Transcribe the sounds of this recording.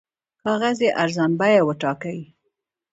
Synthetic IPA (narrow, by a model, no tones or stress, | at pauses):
kɑɣazjeʔaɾzɑnbajawəʈɑkawi